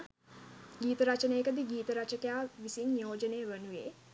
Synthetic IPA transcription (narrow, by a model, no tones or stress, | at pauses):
ɡiːt̪əɾat͡ʃənəːkəd̪iɡiːt̪əɾat͡ʃəkejaːʋisinjoːd͡ʒəneːʋənuʋeː